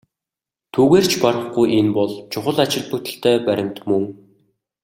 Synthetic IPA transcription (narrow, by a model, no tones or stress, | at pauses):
t̪ʰuːɣeːr̥t͡ɕʰparə̆χɡujʔenpɔɮt͡ɕʰʊχə̆ɮat͡ɕɪ̆ɮput̪ɘ̆ɬt̪eːpæɾʲɪ̆mt̪mɵŋ